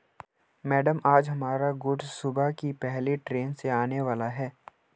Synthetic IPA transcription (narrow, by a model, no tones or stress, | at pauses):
mɛːɖəmaːd͡ʒɦɐmaːɾaɡʊʈsʊbakipɛɦleʈɾeːnseaːneʋaːlaɦɛː